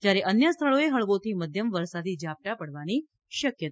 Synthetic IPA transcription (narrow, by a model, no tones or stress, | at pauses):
d͡ʒjaɾeʔənjəst̪ʰəɭoeɦəɭʋot̪ʰiməd̪ʱjəmʋəɾsad̪id͡ʒap̚ʈapəɽʋani | ʃəkjət̪a